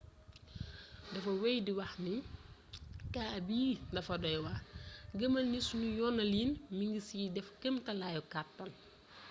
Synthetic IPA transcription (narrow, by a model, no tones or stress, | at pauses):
dɐfɐwɛjdiwɐxni | kaːbiːdɐfɐdɔjwɐɡəmɐnisunujɔnːɐliːnmiŋɡisiːdɛfkəmtɐlaːjukatːɐn